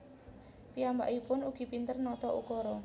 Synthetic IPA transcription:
piamba̰ʔipʊnuɡ̥i̤pint̪ərnɔt̪ɔʔṵkɔɾɔ

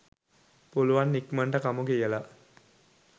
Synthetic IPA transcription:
puluʋanːikmaɳʈəkamuɡeijəla

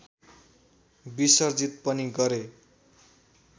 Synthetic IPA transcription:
bisʌrd͡zit̪̚pʌniɡʌɾe

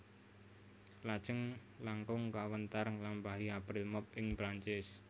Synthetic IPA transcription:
lḁʒ̥əŋ | laŋkʊŋkawənt̪aɾəŋlambaɦiapɾɪlmɔp̚ɪŋpɾaɲt͡ʃɪs

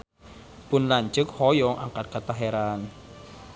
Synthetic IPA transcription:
pʊnlaɲt͡ʃʊk̚hɔjɔŋʔa̰ŋkat̪̚kat̪aɦeɾan

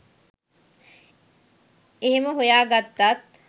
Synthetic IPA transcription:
eɦeməɦujaːɡat̪ːat̪̚

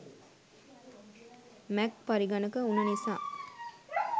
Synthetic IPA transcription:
mɛkpaɾiɡanəkəunənisaː

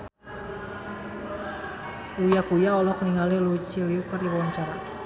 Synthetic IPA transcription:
ujakujaɔlɔkəniŋalilut͡ʃiliukərdiwawaɲt͡ʃaɾa

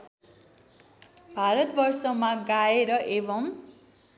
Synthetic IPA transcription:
bʱaɾʌt̪bʌrsʌmaɡaeɾʌʔebʌm

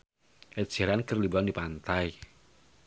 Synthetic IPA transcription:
ʔɛt̪̚d͡ʒ̥ɛɾankərlibuandipant̪aj

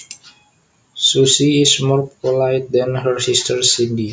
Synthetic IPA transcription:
susiismɔrpɔlajt̚d̪ɛ̃nɦəɹsistʰəɹsĩndi

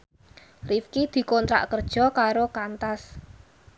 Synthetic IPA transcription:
rifkid̪̥i̤kɔnt̪ɾa̰ʔkərd̥ʒ̥ɔ̤kaɾokant̪as

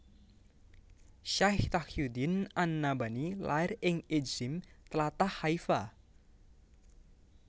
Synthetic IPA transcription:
ʃaht̪akjud̪inʔanːabanilaɪrɪŋed͡ʒɪmt̪əlat̪ahaifa

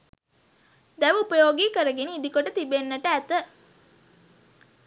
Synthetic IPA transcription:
d̪æʋəupəjoːɡiːkəɾəɡeniːd̪ikoʈət̪ibenːəʈəæt̪ə

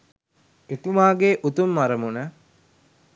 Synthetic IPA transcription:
et̪umaːɡeːʔut̪umːaɾəmunə

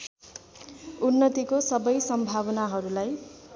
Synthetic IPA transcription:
unːʌt̪ikosʌbʌjsʌmbʱabʌnaɦʌɾulaj

